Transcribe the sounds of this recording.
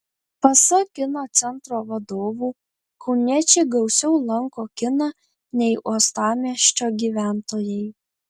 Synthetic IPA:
pɐsɐkʲɪnoːt̪sʲɛnˑt̪ɾoːʋɐd̪oːʋuː | kɔʊnʲɛt͡ʃʲɛɡɐʊsʲɛʊlˠɐŋkoːkʲɪnɐ | nʲɛɪʔuɔst̪ɑːmʲiɛʃʲt͡ʃʲoːɡʲiːʋʲæːˑnt̪oːjɛɪ

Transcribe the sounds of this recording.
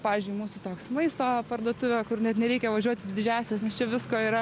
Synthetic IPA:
pɑːʋʲɪzʲd͡ʒʲʊɪmuːsʊt̪oːksmɐɪst̪oːpɐrd̪uɔt̪ʊʋʲoːkʊrnʲɛt̪nʲɛɾʲɛɪkʲɛʋɐʒʲuɔt̪ʲɪdʲɪd̪ʲɪd͡ʒʲæːsʲɛsnʲɛst͡ʃʲɛʋʲɪskoːiːɾɐ

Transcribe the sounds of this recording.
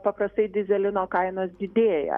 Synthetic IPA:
pɐpɾɐst̪ɐɪd̪ʲɪzʲɛlʲɪnoːkɐɪnoːsd̪ʲɪd̪ʲeːjɛ̰

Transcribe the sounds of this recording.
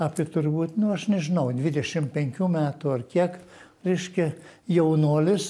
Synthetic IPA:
ɑːpʲiɛt̪ʊrbuːt̪nʊɐʃnʲɛʒʲɪnɐʊd̪ʲʋʲɪd̪ʲɛʃʲɪmpʲɛŋʲkʲuːmʲæːt̪uɐrkʲiɛk | ɾʲɛɪʃʲkʲɛjɛʊnuːlʲɪs

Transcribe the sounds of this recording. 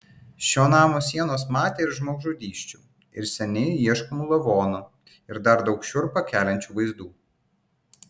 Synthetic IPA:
ʃʲoːnɑːmoːsʲiɛnoːsmɑːt̪ʲeːɪɾʒmoːɡʒuːd̪ʲiːʃʲt͡ʃʲu | ɪ̰ɾsʲɛnʲɪiɛʃkɔmuːlˠɐʋoːnu | ɪɾd̪ɐɾd̪ɒʊkʃʲʊɾpɐkʲæːlʲɛnʲt͡ʃʲuːʋɐɪzd̪uː

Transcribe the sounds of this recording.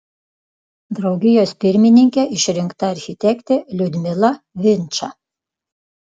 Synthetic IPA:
d̪ɾɐʊɡʲɪjoːspʲɪɾʲmʲɪnʲɪŋʲkʲɛʔɪʃɾʲɪŋkt̪ɐɐɾʲxʲɪt̪ʲɛkt̪ʲelʲʊd̪ʲmʲɪlˠɐ | ʋʲɪnʲt͡ʃɐ

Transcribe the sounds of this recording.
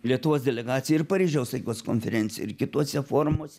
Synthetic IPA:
lʲiɛt̪ʊʋoːsd̪ʲɛlʲɛɡɑːt̪sʲɪjɛɪɾpɐɾʲiːʒʲɛʊsɐɪkʲoːskonʲfʲɛɾʲɛnʲtsʲɪjɛ̰ɪɾkʲɪt̪uɔsʲɛfoːɾmuɔsʲɛ

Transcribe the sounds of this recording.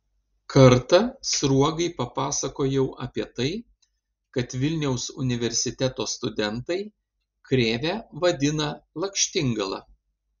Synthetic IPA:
kʰɐɾt̪ɐsɾuɔɡɐɪpɐpɑːsɐkoːjɛʊʔɐpʲiɛt̪ɐɪ | kɐt̪ʋʲɪlʲnʲɛʊsʊ̰nʲɪʋʲɛɾʲsʲɪt̪ʲɛt̪oːst̪ʊd̪ʲɛnt̪ɐɪ | kɾʲeːʋʲæːʋɐd̪ʲɪnɐlˠɐkʲʃʲt̪ʲɪŋɡɐlˠɐ̰ː

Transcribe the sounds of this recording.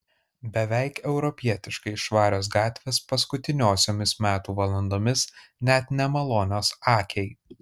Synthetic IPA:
bʲɛʋʲɛɪkɛʊɾɔpʲiɛt̪ʲɪʃkɐɪʃʋɑːɾʲoːs̬ɡɑːt̪ʲʋʲeːspɐskʊt̪ʲɪnʲoːsʲoːmʲɪsmʲæːt̪uːʋɐlˠɐnd̪oːmʲɪsnʲɛt̪nʲɛmɐlˠoːnʲoːsɑːkʲʰɛɪ

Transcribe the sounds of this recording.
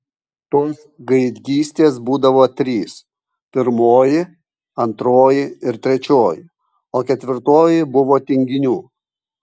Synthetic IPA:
t̪oːs | ɡɐɪd̪ʲɡʲiːsʲt̪ʲeːsbuːd̪ɐʋoːt̪ʲɾʲiːs | pʲɪɾmoːjɪ | ɐnt̪ɾoːjɪɪɾt̪ʲɾʲɛt͡ʃʲoːjɪ | oːkʲɛt̪ʲʋʲɪɾt̪oːjɪbʊʋoːt̪ʲɪŋʲɡʲɪnʲuː

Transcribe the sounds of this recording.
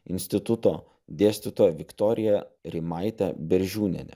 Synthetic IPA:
ɪ̰nʲsʲt̪ʲɪt̪ʊt̪oː | d̪ʲeːsʲt̪ʲɪt̪oːjɛʋʲɪkt̪ɔːɾʲɪjɛɾʲɪmɑɪt̪ʲɛbʲɛɾʲʒʲuːnʲɛ̰nʲɛ̰

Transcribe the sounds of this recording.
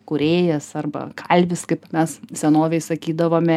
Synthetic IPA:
kʊɾʲeːjɛsɐrbɐ̰kʰɐlʲbʲɪskɐɪpmʲɛssʲɛnoːʋʲɛɪsɐkʲiːd̪ɐʋoːmʲɛ

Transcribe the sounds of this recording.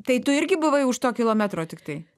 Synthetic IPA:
t̪ɐɪt̪ʊɪɾʲɡʲɪbʊʋɐɪʊʃt̪oːkʲɪlˠoːmʲæt̪ɾoːt̪ʲɪkt̪ɐɪ

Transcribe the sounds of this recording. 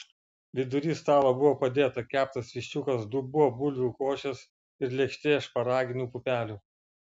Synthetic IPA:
ʋʲɪd̪ʊɾʲiːst̪ɑːlˠobʊʋoːpɐd̪ʲeːt̪ɐkʲæːp̚t̪ɐsʋʲiʃʲt͡ʃʲukɐsd̪ʊbʊʋoːbʊlʲʋʲuːkoːʃʲɛs | ɪɾlʲɛkʃʲt̪ʲeːʃpɐɾɑːɡʲɪnʲuːpʊpʲæːlʲuː

